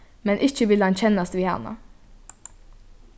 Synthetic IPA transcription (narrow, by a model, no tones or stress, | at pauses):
mɛnʔɪçəʋɪlhɑnçɛnɑst̪ʋiːhɑ̰nɑ̰